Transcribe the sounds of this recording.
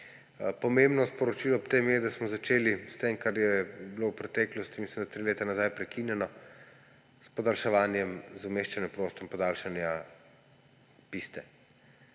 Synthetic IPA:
pɔmembnɔspɔɾɔt͡ʃilɔpt̪emjɛd̪asmɔzat͡ʃeːlist̪emkaɾjɛbilowpɾɛt̪ɛklɔst̪imisimd̪at̪ɾileːt̪anazajpɾɛkinjɛnɔ | spɔd̪alʃɛʋaːnjɛmzumeːʃt͡ʃanjɛpɾost̪ɔmpɔd̪alʃanja | pist̪ɛ

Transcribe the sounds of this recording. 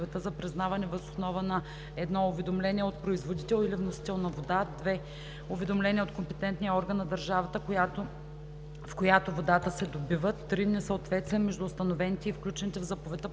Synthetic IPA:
vɛt̪əzɐpɾɛznavɐnɛvəzosnɔvənɐ | ɛd̪nɔʊvɛd̪omlɛnʲiɛot̪̚pɾoizvod̪it̪ɛlˠilivnosi̥t̪ɛlˠnɐvod̪ad̪vɛ | ʊvɛd̪omlɛniəot̪̚kompɛt̪ɛnt̪nijəɔɾɡənːɐd̪ɐɾʒavət̪ət̪o | fkojat̪ovod̪at̪əsɛd̪obivət̪ːɾinɛsəot̪vɛt̪st̪viɛmɛʒd̪uːst̪ɐnovɛnit̪ɛifklʲut͡ʃɛnit̪ɛvzapovɛt̪ə

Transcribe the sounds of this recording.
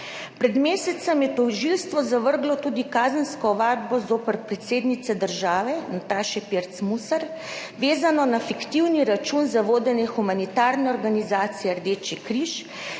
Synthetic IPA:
pɾɛd̪meːsɛt̪sɛmjɛt̪ɔwʒilst̪ʋɔzaʋəɾɡlɔt̪uːd̪ikaːzənskɔɔʋaːd̪̚bɔzoːpəɾpɾɛt̪seːd̪nit̪sɛd̪əɾʒaːʋɛnat̪aːʃɛpeɾt̪smusaɾ | ʋeːzanɔnafikt̪iwniɾat͡ʃunzaʋoːd̪ɛnjɛxumanit̪aːɾnɛɔɾɡanizaːt̪sijɛɾd̪eːt͡ʃikɾiʃ

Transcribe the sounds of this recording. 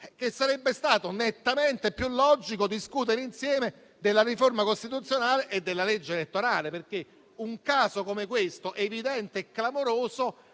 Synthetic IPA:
k̟esːaɾɛbːest̪aːt̪onet̪ːament̪epːjulːɔd͡ʒikod̪iskut̪̬eɾeinsjɛːme | d̪elːariformakost̪it̪ut̪sjonaːleʔed̪ːelːaled͡ʒːeelet̪ːoɾaːleperk̟e | uŋkaːsokomekwest̪oʔevid̪ɛnt̪eːkːlamoɾoːzo

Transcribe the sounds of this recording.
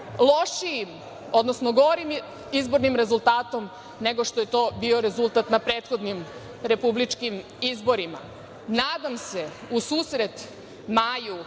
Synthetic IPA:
lˠo̞ʃiim | o̞d̪nosnoɡo̞ɾim | izbo̞ɾnimɾe̞zulˠt̪aːt̪o̞m | ne̞ɡo̞ʃt̪o̞je̞t̪o̞ːbiːo̞ɾe̞zulˠt̪at̪napɾe̞ːt̪xo̞d̪nim | ɾe̞publit͡ʃkim | izbo̞ɾima̰ | naːd̪amse̞ | usuːsɾe̞t̪ | maːju

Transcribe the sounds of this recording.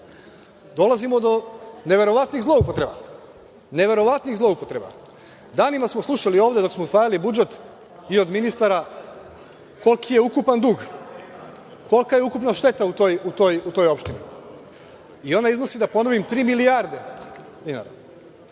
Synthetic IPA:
d̪o̞lazimod̪o̞ne̞ʋe̞ɾo̞ʋat̪niɣzlo̞upo̞t̪ɾe̞ba̰ | neʋe̞ɾo̞ʋat̪niɣzlˠo̞upo̞t̪ɾe̞ba̰ | d̪aːnimasmoslˠuʃalio̞ːʋd̪ed̪o̞ksmo̞usʋaːjalibud͡ʒe̞t̪ | io̞d̪minist̪aɾa | ko̞lˠkʰije̞ukupand̪uːɡ | ko̞lˠkaje̞ukupnaʃt̪e̞t̪aut̪o̞ːjut̪o̞ːjut̪o̞ːjo̞pʃt̪inḭ | io̞naizno̞sid̪apo̞no̞ʋimt̪ɾiːmiliaɾd̪e̞ | d̪ina̰ːɾa̰

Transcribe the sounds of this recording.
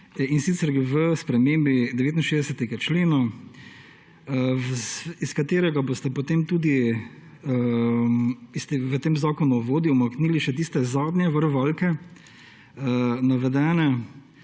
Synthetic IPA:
insit̪sɛɾɡəʋəspɾɛmeːmbid̪ɛʋeːt̪inʃeːzd̪ɛsɛt̪ɛɡat͡ʃleːna | iskat̪eːɾɛɡabost̪ɛpɔt̪eːmt̪uːd̪i | ist̪eʋət̪eːmzaːkɔnuʋoːd̪iumakniːliʃɛt̪iːst̪ɛzaːd̪nʲjɛʋəɾʋɔlkɛ | naʋɛd̪ɛːnɛ

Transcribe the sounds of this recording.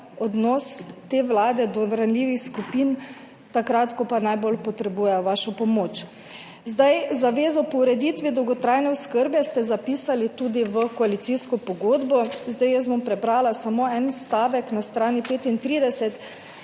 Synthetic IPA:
ɔd̪nɔst̪eːʋlaːd̪ɛd̪ɔɾanliːʋixskupin | t̪akɾat̪kɔpanajbolpɔt̪ɾɛbujɛjɔʋaːʃɔpɔmoːt͡ʃ | zd̪ajzaʋeːzɔpɔwɾɛd̪it̪ʋid̪ɔwɡɔt̪ɾajnɛɔskəɾbjɛst̪ɛzapiːsalit̪uːd̪iʋəkɔalit̪siskɔpɔɡoːd̪bɔzd̪ajɛs̬bɔmpɾɛbɾaːlasamoɛnst̪aːʋɛknast̪ɾaːnipeːt̪int̪ɾiːd̪ɛsɛt̪

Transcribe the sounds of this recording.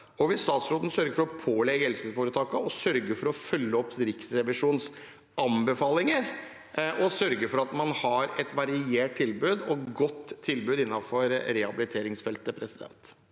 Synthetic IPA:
ɔʋɪsst̪ɑːt̪sɾoːd̪n̩sœɾɡəɾfɔɾɔpʰoːlɛɡhɛlsəfoːɾət̪ʰɑːkəɔsœɾɡəɾfɔɾɔfœlːəɔpːɾɪksɾɛʋɪʂuːns | ʔɑmbəfɑːlɪŋəɾ | ʔɔsœɾɡəɾfɔɾɑt̪mɑnhɑɾɛt̪ʋɑɾɪeːʈ̚t̪ʰɪlbʉːd̪ɔɡɔt̪ʰːɪlbʉːd̪ɪnːɑfɔɾɾɛhɑbɪlɪt̪ʰeːɾɪŋsfɛlt̪əpʰɾɛsɪd̪ɛ̰nt̪

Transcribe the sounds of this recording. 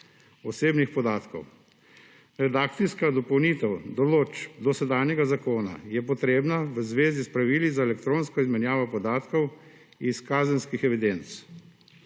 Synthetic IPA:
ɔseːbnixpɔd̪aːt̪kɔ̰w | ɾɛd̪aːk̚t̪siskad̪ɔpɔwnit̪ɛwd̪ɔloːt͡ʃd̪ɔsɛd̪aːnjɛɡazakoːna̰jɛpɔt̪ɾeːbnaʋəzʋeːzispɾaʋiːlizaɛlɛkt̪ɾoːnskɔizmɛnjaːʋɔpɔd̪aːt̪kɔw | iskaːzənskixɛʋid̪ent̪s

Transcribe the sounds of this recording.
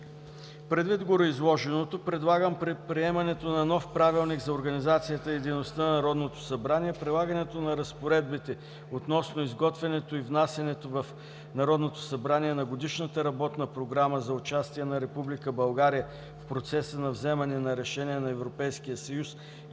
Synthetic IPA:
pɾɛd̪vid̪ɡoɾoizlˠɔʒɛnot̪opɾɛd̪lˠaɡəmpɾipɾiɛmɐnɛt̪onɐnɔfpɾavilˠniɡzɐoɾɡɐnizat̪sijət̪əid̪ɛnost̪ənnɐɾɔd̪not̪o̥sɐbɾaniɛpɾilˠaɡɐnɛt̪onɐɾɐspoɾɛd̪̚bit̪ɛ | ot̪nɔsnoizɡɔt̪vɛnɛt̪oivnasʲɐnɛt̪ovɐf | nɐɾɔd̪not̪o̥sɐbɾaniɛnɐɡod̪iʃnət̪əɾɐbɔt̪nəpɾoɡɾaməzɐʊt͡ʃast̪iɛnɐɾɛpublikəbɐlˠɡaɾijə | fpɾot̪sɛsənɐvzɛmɐnɛnɐɾɛʃɛniɛnɐɛvɾopɛjsk̟ijəsɐjus

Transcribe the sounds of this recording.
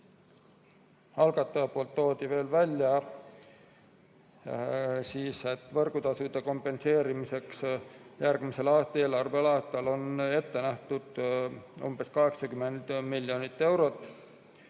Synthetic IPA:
hɑlɡ̥ɑt̪ːˑɑɑpolt̪ːo̞ːt̪ive̞ːlvælʲːjɑ | siːse̞t̪ːˑvɤrɡ̥ut̪ɑsud̪̥e̞ko̞mpːˑe̞nse̞ːɾimise̞ksjærɡ̥mise̞lɑːst̪ɑe̞ːlɑrvelɑːst̪ɑlo̞ne̞t̪ːe̞næht̪ud̪̥ṵmb̥e̞skɑɦe̞ksɑkyme̞nd̪̥miljo̞nit̪ːe̞wɾo̞t̪ːˑ

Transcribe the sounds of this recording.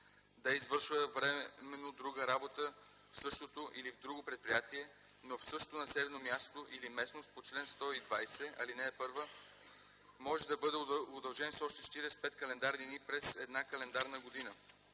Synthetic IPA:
d̪ɐizvɤɾʃvəvɾɛmɛnod̪ɾuɡəɾabot̪ə | fsɤʃt̪ot̪oʔilivd̪ɾuɡopɾɛt̪̚pɾijat̪iɛ | nofsɤʃt̪onɐsɛd̪ɛnomʲjast̪oʔilimɛsnost̪̚pot͡ʃlɛnst̪ɔid̪vajsɛɐ̰linɛːpɤɾvə | mɔʒɛd̪ɐbɤd̪ɛod̪ɐlˠʒɛnsɔʃt̪ɛʃt̪iɾɛspɛt̪kɐlɛnd̪aɾd̪inipɾɛsɛd̪nakɐlɛnd̪aɾnəɡod̪inə

